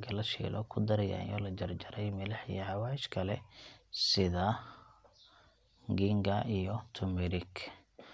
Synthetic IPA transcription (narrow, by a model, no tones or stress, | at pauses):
ɡʰɐlɐʃɛ̰ːlʔɔkʰʊd̪ɐɾɐja̰ːnjɔlɐd͡ʒɐrd͡ʒɐɾɛjmɪlɐħḭjɛʕɑwaːɪʃkʰɐlɛsɪðɐ | ŋɡiŋɡɐijɔt̪ʰʊmɪɾɪɡ